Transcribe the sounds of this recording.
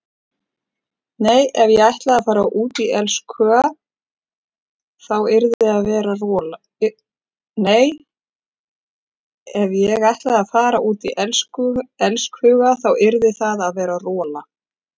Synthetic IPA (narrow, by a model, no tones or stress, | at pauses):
neːjɛvjɛɣajht̪laðaðfaːɾaʔuːt̪iʔɛlskʰœːɣa | θawɪɾðɪaðvɛːɾarɔːl | neːj | ɛvjɛɣajht̪laðaðfaːɾaʔuːt̪iʔɛlskɛlskhʏːɣaθawɪɾðɪθaðaðvɛːɾarɔːla